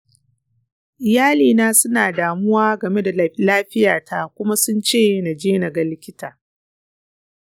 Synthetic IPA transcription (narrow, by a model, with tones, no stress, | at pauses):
ʔɪ˨jaː˦liː˨naː˦sʊ˦naː˨daː˨mʊ˦waː˦ɡɐ˨me˦da˨˦laː˦ɸɪ˦jaː˨tʰa˦kʷʊ˦ma˦sʊ˦nt͡ʃeː˦na˨d͡ʒeː˦nɐ˨ɡɐ˨lɪ˦kʲɪ˦taː˨